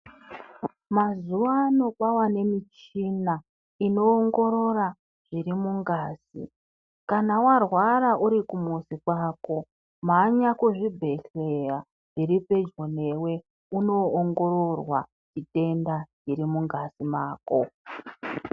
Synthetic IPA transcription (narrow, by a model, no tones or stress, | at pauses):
mazuʋano̞kwawane̞mit͡ʃina | ino̞ːŋɡo̞ɾo̞ɾa | ʐ̥iɾimuŋɡaːsḭ | kanawarwaɾaʔuɾikumusikwaːko̞ | maɲakuʐibʱe̞ɬeja | ʐiɾipe̞d͡ʒo̞ne̞we̞ | uno̞ːŋɡo̞ɾo̞rwa̰ | t͡ʃite̞ndat͡ʃiɾimuŋɡasimaːko̞